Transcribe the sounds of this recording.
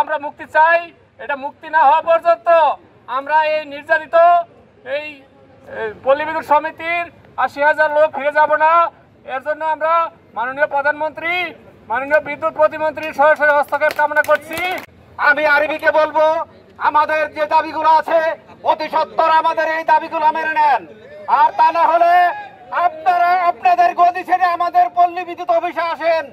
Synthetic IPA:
amɾamukt̪it͡ɕaj | eʈamuk̚t̪inaɦɔapɔɾd͡ʒont̪o | amɾaejniɾd͡ʒaɾit̪o | ej | polibid̪ut̪ʃɔmit̪iɾ | aʃiɦad͡ʑaɾlok̚fʰiɾed͡ʒabona | eɾd͡ʒonːoamɾa | manoniopɾɔd̪ʱanmont̪ɾimanonijobid̪ːut̪̚pɾot̪̬imont̪ɾiɾʃɔɦoʃoɾeɦɔst̪ʰakepɾamonakoɾt͡ɕʰi | amiaɾibikebolbo | amad̪eɾd͡ʑed̪abiɡuloat͡ɕʰeot̪iʃɔt̪ːoɾaamad̪eɾejd̪abiɡulomeɾenenaɾt̪anaɦole | ap̚naɾaapnad̪eɾɡod̪it͡ɕʰeɾeamad̪eɾpolːibid̪ːut̪obʱiʃaaʃen

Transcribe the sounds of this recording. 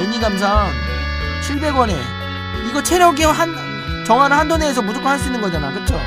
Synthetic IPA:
eɲidams̬ʰaŋ | t͡ɕʰiɭbe̞ɡwʌne̞̰ | iɡʌt͡ɕʰeɾjʌɡiʌɦan | t͡ɕʌŋɦaɾɯɭɦandone̞ːs̬ʰʌmudok͈ʰohaɭs͈uinːɯnɡʌd͡ʑana̰kɯt͡ɕ͈ʰo

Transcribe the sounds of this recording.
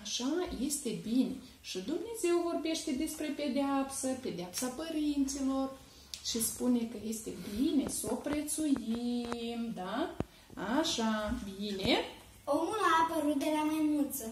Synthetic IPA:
aʃaje̞st̪e̞bine̞ | ʃid̪umne̞ze̞wvo̞rbe̞ʃt̪e̞d̪e̞spɾe̞pe̞d̪eapsəpe̞d̪eapsapəɾint̪silo̞r | ʃispune̞kəje̞st̪e̞bine̞so̞pɾet̪sujimd̪a | aʃabine̞ | omulaːpəɾut̪̚d̪e̞lamajmult̪sə

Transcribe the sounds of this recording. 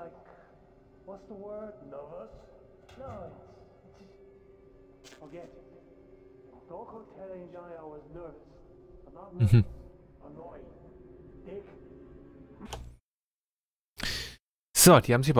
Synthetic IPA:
laɪk | wʌtsðəwɜ˞d̚novəs | noɪts | ɪts | fəɡɛt | d̥ɔkʰoʊtʰɛlˠɪ̃ŋd͡ʒaaɪwʌznɜ˞vəsʌnətn̩mm̩ənɔɪɪ̃ | d̥ɪk | z̥odiːhaːm̩ziçəb

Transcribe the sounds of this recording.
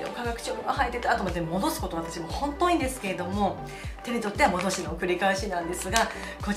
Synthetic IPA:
o̰kaɡakɯ̟̥t͡ɕoːbɯŋɡahait̪ːe̞t̪aːt̪oːmt̪ːemo̞d̪o̞sɨ̥ko̞t̪o̞βat̪at͡ɕimo̞hõ̞nt̪o̞ːĩːnd̪e̞sɨ̥ke̞ɾe̞d̪o̞mo̞ | t̪e̞ɲ̟it̪o̞t̪ːe̞βamo̞d̪o̞ɕinoːkɯ̟ɾʲikaeɕinãnd̪e̞sɨɡa | ko̞

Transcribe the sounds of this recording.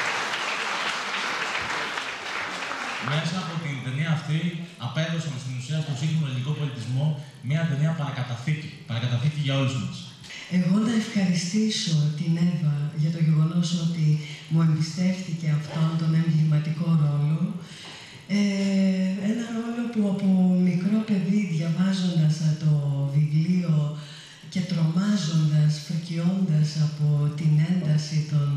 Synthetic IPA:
me̞sɐːpo̞t̪int̪e̞niɐːft̪iɐpe̞ðosɐmest̪inusiɐst̪o̞nsit̪imɐliniko̞po̞lit̪izmo̞ | miɐt̪e̞niɐpɐɾɐkɐt̪ɐθicipɐɾɐkɐt̪ɐθiciʝɐo̞luzmɐs | e̞ɣo̞nɐefxɐɾist̪iso̞t̪ine̞vɐʝɐt̪o̞ʝe̞ɣo̞no̞so̞t̪imue̞mbist̪e̞fθice̞ɐft̪o̞nt̪o̞nemɡiɾmɐt̪iko̞ɾo̞lo̞ | e | e̞nɐɾo̞lo̞puɐpomikɾo̞pe̞ðiðʝɐvɐzo̞nd̪ɐsɐt̪o̞vivlio̞ | ce̞t̪ɾo̞mɐzo̞nd̪ɐsfɾicio̞nd̪ɐsɐpo̞t̪ine̞nd̪ɐsit̪o̞n

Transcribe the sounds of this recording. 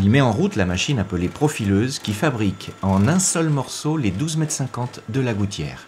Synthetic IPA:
ilmɛɑ̃ʁut̪lamaʃinapəlepχɔfiløzkʲifabʁikɑ̃nɛ̃sœlmɔʁsoled̪uzmɛt̪sɛ̃kɑ̃t̪d̪əlaɡut̪jɛ̰ːʁ

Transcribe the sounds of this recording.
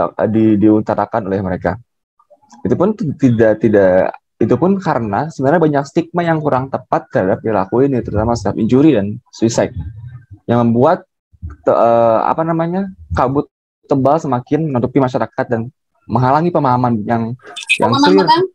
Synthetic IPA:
didiunt̪aɾakanolɛhməɾeka̰ | it̪upʊnt̪idaʔt̪idaʔ | it̪upʊnkaɾənasəbənarɲabaɲak̚st̪ik̚majaŋkuɾaŋt̪əpat̪̚kəɾadap̚əila̰kuɪnit̪əɾut̪amasə̥t̪iapiɲd͡ʒuɾidansuisat̚ | jaŋməmbuat̪̚ | əəa̰panamaɲakabʊt̪ː | əbalsəmakɪnənut̪upimaʃaɾakat̪̚dan | məŋɦalaŋipəmaɦamanjaŋja̰ŋsur

